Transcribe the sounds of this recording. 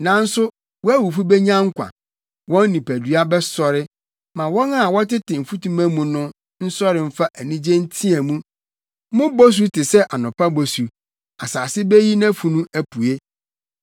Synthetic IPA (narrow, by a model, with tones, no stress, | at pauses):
nã˨˦n̩˦sʊ˦ | wɔ˦æ˦wu˨fu˦bɛ˦ɲã˦ŋ̩˦kʷã̰˨ | wɔ̃˦n˦nĩ˨pæ˨dɥa˦bɛ˦sɔ˦ɾɪ˦ | mã˨wɔ̃˦na˦˨wɔ˦tɪ˦tɪ˨m̩˨fu˦tũ˦mæ̃˦mũ˨nʊ̃˦ | n̩˦sɔ˦ɾɪ˨m̩˦fa˦ʔæ˨nĩ˦d͡ʑẽ˦n̩˦tʰĩ˦ɛ˨mũ˦ | mʊ̃˦bo˦s̬u˦tʰɪ˨sɛ˦ʔa˨nʊ̃˨pʰa˦bo˨su˨ | a˨saː˨sɪ˦bɛ˦ji˦nã˦fu˨nũ˦æ˦pʰu˨e˦